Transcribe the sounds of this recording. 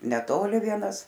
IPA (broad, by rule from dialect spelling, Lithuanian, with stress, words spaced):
nʲɛˈtoːlʲɪ ˈʋʲiɛnɐs